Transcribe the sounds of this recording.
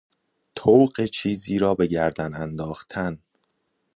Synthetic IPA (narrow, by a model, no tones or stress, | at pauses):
t̪ʰowɢet͡ʃʰiːziːɾɒːbe̞ɟæɾd̪ænænd̪ɒːxt̪ʰæn